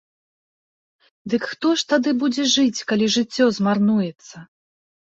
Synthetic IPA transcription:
d̪ɨkxt̪ɔʂt̪ad̪ɨbud͡zʲɛʐɨt͡sʲkalʲiʐɨt͡sʲːɔzmarnujɛt̪sːɐ

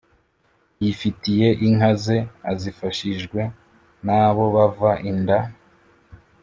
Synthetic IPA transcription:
jifitije̞ʔiŋhaze̞azifaʃiʒɡwe̞ | naːβo̞βavaʔinda

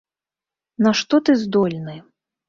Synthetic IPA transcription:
nɐʂt̪ɔt̪ɨzd̪ɔlʲnɨ

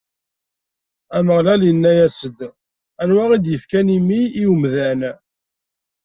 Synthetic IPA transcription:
æməʁlæljənːæjæsəd̪ | ænwæʁid̪jəfkænimiːumðæn

